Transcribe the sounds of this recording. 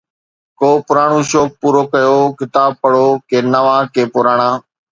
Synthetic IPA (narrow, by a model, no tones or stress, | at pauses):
koːpʊɾaːɳũːʃoːk̚puːɾoːkəjoːkɪt̪aːb̚pəɽoːkeːnəʋãːkeːpʊɾaːɳ̃ãː